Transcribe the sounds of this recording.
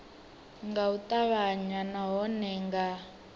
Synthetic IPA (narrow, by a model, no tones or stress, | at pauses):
ŋɡautʼaβaɲanaɦɔnɛŋɡa